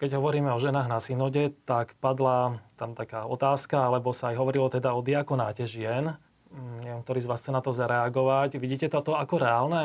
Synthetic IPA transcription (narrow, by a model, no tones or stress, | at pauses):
kɛɟɦɔʋɔɾiːmɛɔʒɛnaːɣnasinɔɟɛt̪akpad̪lat̪amt̪akaːɔt̪aːskaalɛbɔsaːjɦɔʋɔɾilɔt̪ɛd̪aɔd̪iakɔnaːcɛʒɪɛn | ɲɛʋɛmkt̪ɔɾiːzʋaːsxt͡sɛnat̪ɔzaɾɛaɡɔʋacʋiɟiːcɛt̪ɔt̪ɔakɔɾɛaːlnɛ